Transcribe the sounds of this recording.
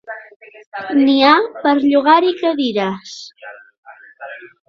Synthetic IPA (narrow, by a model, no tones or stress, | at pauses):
niapəɾʎuɣ̞aɾikəðiɾas